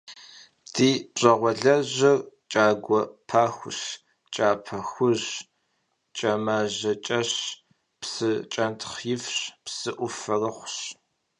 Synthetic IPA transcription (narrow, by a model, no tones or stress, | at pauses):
dʰiːɕʼɐʁʷɔɮɐʑɐrt͡ʃʼaːɡʷɔpʰaːxʷʊ̰ɕ | t͡ʃʼaːpʰɐxʷʊʑ | t͡ʃʼɐmaːʑɐt͡ʃʼɐɕ | psɨt͡ʃʼɐntʰχjɪfɕpsɨʔʷʊfɐrɐχʷɕ